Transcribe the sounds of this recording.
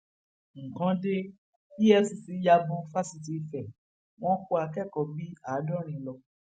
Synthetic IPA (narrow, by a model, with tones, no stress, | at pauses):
ŋ̩˨kã˨˦de˦ | i˦ɛ˦si˨si˨˦ja˧bũ˧fa˦si˧t̬i˧˨fɛ˨ | w̃ɔ̃˦ko˦a˧kɛ˦˨kɔ˨˦bi˦a˨˦dɔ̃˦ɾ̃ĩ˨lɔ˧